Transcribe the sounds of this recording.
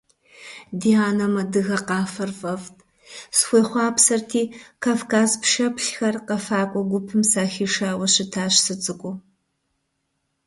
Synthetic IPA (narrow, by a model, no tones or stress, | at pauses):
diaːnɐmɐdɨɣɐqɑːfɐrfɐvtʰʼ | sxʷeːχʷɑːpsɐrtʰiːkʰaːfkʰaːzpʃɐpʰɬxɐrqɐfaːkʷʼɔɡʷʊpʰɨmsaːxʲiːʂaːwɐɕɪtʰaːɕsɨt͡sʼɨkʷʼʊ